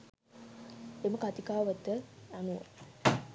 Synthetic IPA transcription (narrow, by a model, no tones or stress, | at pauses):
eməkat̪ikaːʋət̪ːəjanuə̰